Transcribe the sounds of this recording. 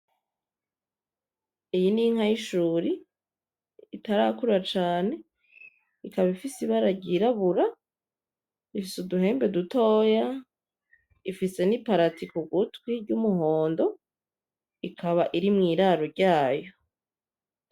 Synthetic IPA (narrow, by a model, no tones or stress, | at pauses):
ejiniŋhajiʃuːɾi | taɾaːkuɾat͡ʃaːne̞ | ikaβaifisiβaɾaɟiɾaβuɾa | ifisuduɦe̞ːmbe̞duto̞ːja | ifise̞nipaɾatikuɡutwiɾɟumuɦo̞ːndo | ikʰaβaʔiɾimŋiːɾaɾoɾɟaːjo̞